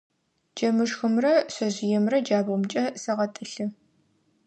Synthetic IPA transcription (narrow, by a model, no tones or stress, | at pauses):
d͡ʒɐmɨʂxɨmrɐɕɐʑɪjɛmrɐd͡ʒaːbʁʊmt͡ʃʼɐsɐʁɐtʼɨɬɨ